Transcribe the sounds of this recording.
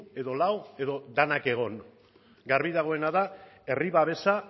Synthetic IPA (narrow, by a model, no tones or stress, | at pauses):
e̞ðo̞lawe̞ðo̞d̪anake̞ɣ̞o̞n | ɡaɾβiðaɣ̞o̞e̞naðae̞riβaβ̞e̞sa